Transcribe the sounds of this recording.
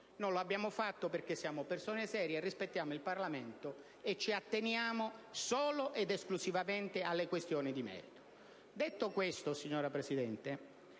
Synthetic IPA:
noloabːjaːmofat̪ːoperkesːjaːmopersoːnesɛːɾjerːispet̪ːjaːmoilparlament̪o | et͡ʃːiat̪ːenjaːmosoːloʔed̪esklusivament̪ɪalːekwest̪joːnid̪imɛ̰ːɾit̪o̥ | d̪et̪ːokwest̪osiɲːoːɾapɾesid̪ɛnt̪e

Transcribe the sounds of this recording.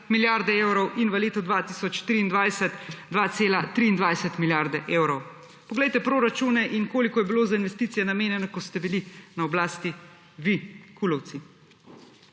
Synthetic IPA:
miljaɾd̪ɛeːwɾɔwʔinʋəleːt̪ud̪ʋat̪iːsɔt͡ʃt̪ɾiːnd̪ʋajsɛt̪d̪ʋat̪seːlat̪ɾiːnd̪ʋajsɛt̪miljaɾd̪ɛʔeːwɾɔw | pɔɡlɛjt̪ɛpɾoːɾat͡ʃuːnɛʔinkoːlikɔjɛbiloːzainʋɛst̪it̪sijɛnameːnjɛnɔkɔst̪ɛbilinaɔblaːst̪i | ʋikʰulɔwt̪si

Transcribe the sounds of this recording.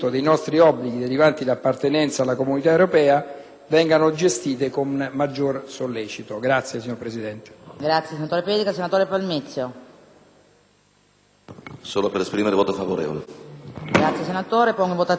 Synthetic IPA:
t̪od̪ejnɔst̪ɾiɔbːliɡid̪eɾivant̪ilapːart̪enɛnt̪salːakomunit̪aewɾopɛːa | vɛŋɡanod͡ʒest̪iːt̪ekommad͡ʒːorsolːeːt͡ʃit̪oɡɾat̪sːjesiɲːorɾpɾesid̪ɛnt̪e̥ɡɾat̪sːjesenat̪oːɾeped̪ikasenat̪oːɾepalmet̪sjo | soːlopeɾespɾimeɾevoːt̪ofavoɾḛːvo̰leɡɾat̪sjesenat̪oːɾepɔŋɡivot̪a

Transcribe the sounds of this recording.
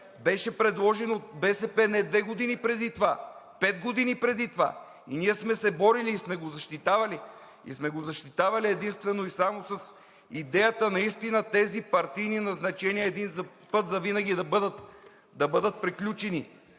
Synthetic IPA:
bɛʃɛpɾɛd̪lˠɔʒɛnot̪̚bɛsɛpɛnɛd̪vɛɡod̪inipɾɛd̪it̪vapɛd̪ɡod̪inipɾɛd̪it̪va̰ | ḭniɛsmɛsɛbɔɾiliːsmɛɡozɐʃt̪it̪avɐli | ḭsmɛɡozɐʃt̪it̪avɐliɛd̪inst̪vɛnoisamosɐs | id̪ɛjət̪ənɐist̪inət̪ɛzipɐɾt̪ijninɐznɐt͡ʃɛniɛɛd̪inzɐ | pɤt̪zɐvinɐɡʲid̪ɐbəd̪ət̪ | d̪ɐbɤd̪ət̪̚pɾiklʲut͡ʃɛni

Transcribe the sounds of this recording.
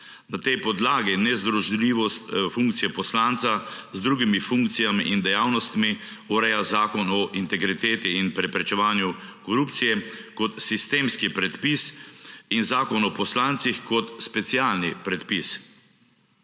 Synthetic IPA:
nat̪ɛjpɔd̪laːɡinɛzd̪ɾɔʒliːʋɔst̪fuŋk̚t̪sijɛpɔslaːnt̪sazd̪ɾuːɡimifuŋkt̪sijamiʔind̪ɛjaːwnɔst̪mi | uɾɛjazaːkɔnɔʔint̪ɛɡɾit̪eːt̪iːnpɾɛpɾɛt͡ʃɛʋaːnjukɔɾupt̪sijɛkɔt̪sist̪eːmskipɾɛt̪pisinzaːkɔnɔpɔslaːnt̪sixkɔt̪spɛt̪sijaːlnipɾɛt̪pis

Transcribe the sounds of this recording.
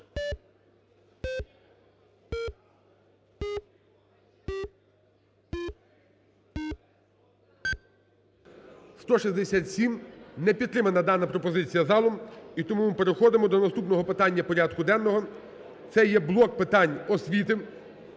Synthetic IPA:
st̪ɔʃizʲd̪esʲat̪ʲsʲimnɛpʲid̪t̪ːɾɪmɐnɐd̪ɑnɐpɾɔpɔzɪt͡sʲijɐzɑlˠɔmit̪ɔmumɪpeɾexɔd̪ɪmɔd̪ɔnɐst̪upnɔɦɔpɪt̪ɑnʲːɐpɔɾʲɑd̪kʊd̪ɛnːɔɦɔ | t̪sɛjɛblˠɔk̚pɪt̪ɑnʲɔsʲʋʲit̪ɪ

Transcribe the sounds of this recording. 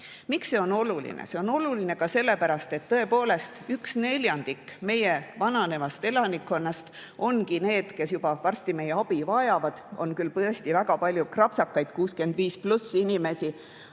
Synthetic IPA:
mikse̞o̞no̞lulḭnḛse̞o̞no̞luline̞kɑse̞lːe̞pæɾɑst̪e̞t̪ːɤe̞po̞ːle̞st̪yksne̞lʲjɑnd̪ikːme̞jevɑnɑne̞vɑst̪e̞lɑnikːo̞nːɑst̪ | o̞nkine̞ːd̪̥ke̞sjubɑvɑrst̪ime̞jeɑb̥ivɑjɑvɑd̪̥o̞̰nkylpɤest̪ivæɡɑpɑlʲjukrɑpsɑkːɑjd̪̥kuːskend̪viːsplusːinime̞si

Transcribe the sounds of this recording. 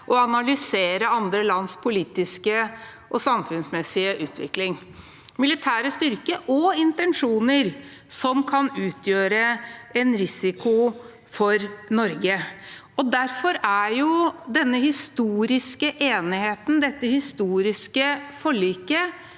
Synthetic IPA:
ʔɔɑnɑlʏseːɾəɑnd̪ɾəlɑnspʰʊliːt̪ɪskə | ʔɔsɑmfʉnsmɛsɪəʔʉːt̪ʋɪ̰klɪŋ | mɪlɪt̪ʰæːɾəst̪ʏɾkəʔɔɪnt̪ɛnʂuːnəɾ | sɔmkʰɑnʉːt̪ʰjøːɾəɛnɾɪsɪkʊ | fɔɾnɔɾɡə | ɔd̪æɾfɔɾæjʊd̪ɛnːəhɪst̪uːɾɪskəʔeːnɪheːt̪n̩d̪ɛt̪ːəhɪst̪uːɾɪskəfɔɭiːkə

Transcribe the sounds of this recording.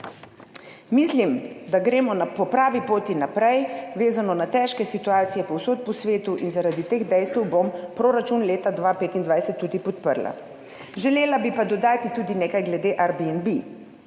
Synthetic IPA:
mislimd̪aɡɾeːmɔnapɔpɾaːʋipoːt̪inapɾɛjʋeːzanɔnat̪ɛːʃkɛsit̪uaːt̪sijɛpɔwsoːt̪̚pɔsʋeːt̪uʔinzaɾad̪it̪eːɣd̪ɛjst̪ɛwbompɾoːɾat͡ʃunleːt̪ad̪ʋapeːt̪ind̪ʋajsɛt̪ːuːd̪ipɔt̪pəɾla̰ | ʒɛleːlabipad̪ɔd̪aːt̪it̪uːd̪ineːkajɡlɛd̪eːʔaɾbiɛnbi

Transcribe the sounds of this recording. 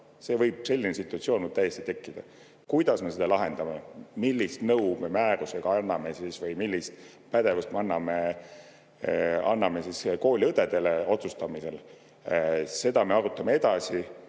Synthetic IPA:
se̞ːvɤjb̥se̞lʲːinesit̪ːˑuɑt̪sioːnmud̪̚t̪æjːe̞st̪i̥t̪e̞kːid̪̥ɑ̰ | kujd̪̥ɑsme̞sed̪ɑlɑɦe̞nd̪̥ɑmemilʲːist̪nɤwmemæːɾuseɡ̥ɑɑnːɑme̞sisvɯjmilʲːist̪ | pæd̪̥e̞vust̪meɑnːɑme | ɑnːɑme̞sisko̞ːlʲiɤd̪e̞d̪e̞le̞o̞t̪sust̪ɑmise̞l | se̞d̪ɑme̞ɑɾut̪ːˑɑmee̞d̪̥ɑsi

